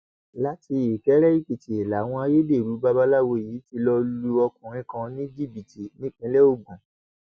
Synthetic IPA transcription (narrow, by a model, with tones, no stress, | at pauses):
la˦ti˧i˨kɛ˨˦ɾɛ˦i˦˨k͡pi˨ti˨e˨la˨w̃ɔ̃˧a˧jo˦de˦˨ɾu˨˦ba˦ba˦la˦wo˧˨ji˨˦ti˧lɔ˧lu˧ɔ˧kũ˨ɾ̃ĩ˦kã˧nĩ˦d͡ʒi˦˨bi˨ti˨nĩ˦k͡pĩ˧˦lɛ˦o˦˨ɡ͡bã˨